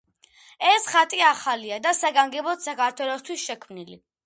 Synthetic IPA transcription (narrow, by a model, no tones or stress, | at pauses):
ɛsχat̪ʼiaχaliad̪asaɡaŋɡɛbɔt̪sakʰaɾt̪ʰwɛlˠɔst̪ʰwisʃɛkʰmnilḭ